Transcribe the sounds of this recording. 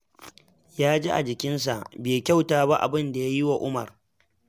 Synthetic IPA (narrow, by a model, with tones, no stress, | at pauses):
jaː˦d͡ʒi˦ʔa̰˨d͡ʒɪ˨kʲɪ˦ns̬a˨ʔbeː˨kʲa˦˨wtaː˦ba˦ʔa̰˨bɪ˦nda˨ja˦ji˦wa˨ʔʊ˦mɐ˨r